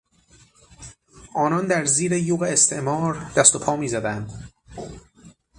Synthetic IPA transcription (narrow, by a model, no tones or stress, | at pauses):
ʔɒːnɒnd̪æɾziːɾejuːɣeːst̪ʰe̞ʔmɒːɾd̪̥æst̪o̞pʰɒːmiːzæd̪ænd̪